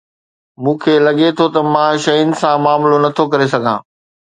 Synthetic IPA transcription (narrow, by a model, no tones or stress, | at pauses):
mũːkʰeːlɐɠet̪ʰot̪ɐmãʃɐjʊnɪ̆sãmaːmlonɐt̪ʰokɐɾesɐɡʱã̰ː